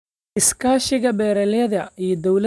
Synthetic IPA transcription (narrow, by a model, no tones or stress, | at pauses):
ɪskʰaːʃɪɣɐbɛːɾɛlɛðɐijɔd̪ɔwlɐ